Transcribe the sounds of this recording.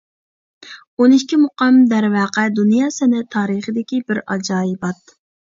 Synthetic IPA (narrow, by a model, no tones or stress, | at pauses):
onɪiʃkʲimʊqɑmd̪æɾwɑːqæd̪unjɑːsɛnɪt̪ʰɑːɾəχəd̪ɪkʲibɪɾɑd͡ʒɑːjibɑt̪